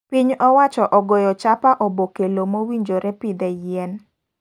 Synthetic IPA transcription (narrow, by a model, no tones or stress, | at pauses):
piɲɔwat͡ʃɔʔɔɡɔjɔt͡ʃapaʔɔbokelomowiɲd͡ʒoɾɛpid̪ɛjɛn